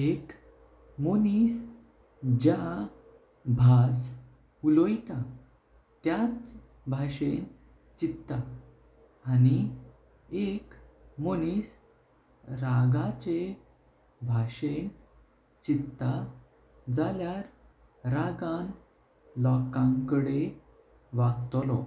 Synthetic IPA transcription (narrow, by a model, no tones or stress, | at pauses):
ek | monis | d͡ʑa | bʱas | ulojt̪a | t̪jat͡s | bʱaɕen | t͡ɕit̪ːa | ani | ekmonis | ɾaɡat͡ɕe | bʱaɕen | t͡ɕit̪ːa | d͡zaljaɾ | ɾaɡãn | lɔkãŋkəɽe | ʋaɡt̪lɔ